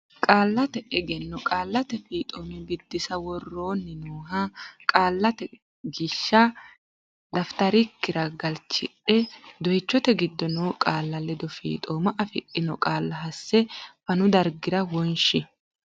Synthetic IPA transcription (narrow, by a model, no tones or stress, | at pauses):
kʼaːlːɐt̪ɛʔɛɡɛnːɔkʼaːlːɐt̪ɛfiːt̪ʼoːmɪbɪd̪ːɪsɐwɔrːo̞ːnːɪnoːɦɐkʼaːlːɐt̪ɛ | ɡɪʃːɐ | d̪ɐft̪ɐɾɪkːɪɾɐɡɐlt͡ʃɪ̰ᶑɛd̪ɔjt͡ʃːɔt̪ɛɡɪd̪ːɔnuːkʼaːlːɐlɛd̪ɔfḭːt̪ʼoːmɐʔɐfɪ̰ʔɪnɔkʼaːlːɐɦɐsːɛfɐnʊd̪ɐɾɡɪɾɐwɔnʃɪ